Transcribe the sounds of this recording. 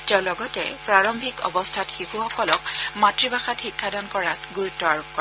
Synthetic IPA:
tɛ̃lɔɡɔtɛ̰pɹaɹɔmbʱikɔ̰bɔstʰatxikuxɔkɔlɔk̚matɹibaxatxikʰːadɔnkɔɹakɡuɹutːɔaɹup̚kɔ

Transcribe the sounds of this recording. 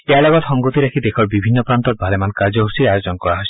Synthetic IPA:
ealɔɡɔt̪hɔŋɡot̪iɾakʰid̪ekʰɔɾbibʱinːɔpɾant̪ɔt̪̚bʱalemankaɾd͡ʒoɦosiajod͡ʒɔnkɔɾaɦoi

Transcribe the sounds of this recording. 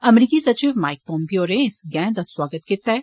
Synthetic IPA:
ɐmɾiːkisɐt͡ʃiːʋmaːɪk̚pɔ̃ːmpijoːɾẽsɡɛ̃ːd̪ɐswaːɡət̪kɪt̪a

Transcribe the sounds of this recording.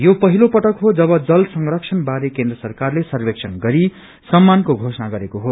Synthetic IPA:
jopʌɦilopʌʈʌkɦod͡zʌbʌd͡zʌlsʌŋrʌksʰʌnbaɾekend̪rʌsʌrkarlesʌrbeksʰʌnɡʌɾi | sʌmːankoɡʱosʌnaɡʌɾekoɦo

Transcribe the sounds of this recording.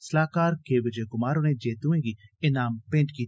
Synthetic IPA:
səlaːkaːɾkeːbɪɾd͡ʒeːkʊmaːɾoːneːd͡ʒeːt̪uẽːɡiːɪnaːmpɪ̃ɳʈkiː

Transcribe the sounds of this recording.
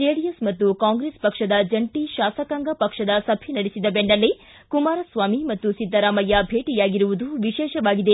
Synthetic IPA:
d͡ʒeːɽijɐsmɐt̪ːukaːŋɡɾeːspɐkʂɐd̪ɐd͡ʒɐɳʈiʃaːsɐkaŋɡɐpɐkʂɐd̪ɐsɐbʱinɐɽesid̪ɐbeɳɖɐlːe | kumaːɾɐsʋaːmimɐt̪ːusid̪ʱːɐɾaːmɐjːɐbʱeːʈijaːɡiɾuʋud̪uʋiʃɛːʃɐʋaːɡid̪e

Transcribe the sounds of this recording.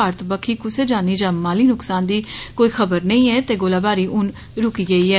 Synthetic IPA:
aːɾət̪bəkʰiːkʊseːd͡ʒaːniːd͡ʒãːmaːliːnʊksaːnd̪iːkoːiːxʰəbəɾnəĩːɛːt̪eːɡoːlaːbaːɾiːʔʊn | ɾʊkiːɡəiːɛː

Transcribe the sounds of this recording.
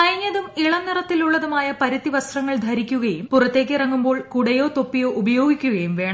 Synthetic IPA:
ɐjɐɲːɐðumiɭɐnːirɐt̪ːiluɭːɐðumaːjɐpɐɾɐt̪ːiʋɐst̪rɐŋːɐɭd̪ʱɐɾikʲːuɣɐjumpurɐt̪ːe̞ːk̬ːirɐŋːumbo̞ːɭkuɽɐjo̞ːt̪o̞pːijo̞ːʔubɐjo̞ːɡikʲːuɣɐjumʋe̞ːɳɐ

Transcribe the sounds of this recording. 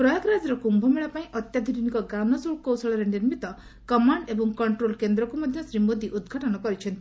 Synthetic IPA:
pɾɔjɔkɾad͡ʒɔɾɔkumbʱɔmeɭapaĩʔɔt̪jad̪ʱuɾinikɔɡanɔsokowsɔɭɔɾeniɾmit̪ɔ | kɔmaɳɖebɔŋkɔɳʈɾolkend̪ɾɔkumɔd̪ʱjɔsɾimod̪iʔud̪ɡʱaʈɔnɔkɔɾit͡ʃʰɔnt̪i̥

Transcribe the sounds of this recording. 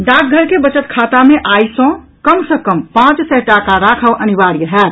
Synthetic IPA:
ɖaːk̚ʰɡʱəɾkebət͡ʃət̪̚kʰaːt̪ameʔaːisõ | kəmsə̃kəmpãːt͡ʃsɛʈakaɾaːkʰəwʔənibaɽiɾəɦɛt̪

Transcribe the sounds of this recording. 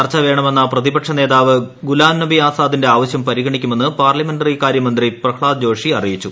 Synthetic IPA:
ɐrt͡ɕːɐʋe̞ːɳɐme̞nːɐprɐðibɐkʂɐne̞ːðaːʋɨɡulaːmnɐbiaːsaːðinde̞aːʋɐɕjɐmpɐɾiɣɐɳikʲːume̞nːɨpaːrlɐmenɖɐrikaːɾjɐmɐnd̪riprɐkʰɭaːd̪d͡ʑo̞ːʂiɐrijit͡ɕːu

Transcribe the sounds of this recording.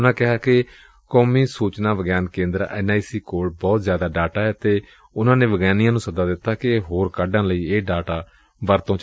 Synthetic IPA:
ʊnãːkɪɦaːkɪ | kɔːmiːsuːt͡ʃnãːʋəɡaːnkẽːnd̪əɾɛ̰naːisiːkoːɽbɔːt̪zjaːd̪aːɖaːʈaːɛːt̪eː | ʊnãːnẽːʋəɡɛːnijãːnũːsəd̪aːd̪ɪt̪ːaːkɪɦoːɾkaɖãːləiːeːɖaːʈaː | ʋəɾt̪õːt͡ʃ

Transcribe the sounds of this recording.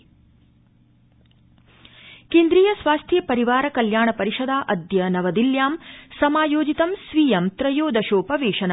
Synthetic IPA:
keːnd̪ɾiːjɐsʋaːst̪ʰjɐpɐɾiʋaːɾɐkɐljaːɳɐpɐɾiʃɐd̪aːʔɐd̪jɐnɐʋɐd̪iljaːmsɐmaːjoːd͡ʒit̪ɐmsʋiːjɐmt̪ɾɐjoːd̪ɐʃoːpɐʋeːʃɐna

